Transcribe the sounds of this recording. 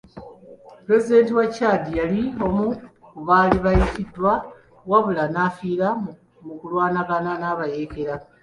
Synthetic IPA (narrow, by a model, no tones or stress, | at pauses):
pɾe̞zide̞ːntiwacːaːdijalio̞mu | kuβaːliβajicidwa | waβulanaːfiːɾa | mukulwaːnaɡananaβaje̞ke̞ɾa